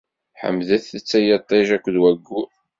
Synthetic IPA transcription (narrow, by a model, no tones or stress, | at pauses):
ħə̰mːðæθət͡sːæjət̪ˤːeʒækʷðwæɡːu